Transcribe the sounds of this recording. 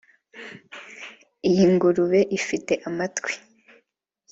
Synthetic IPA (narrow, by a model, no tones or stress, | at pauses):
ijiŋɡuɾuβe̞ʔifite̞ʔamatkwi̥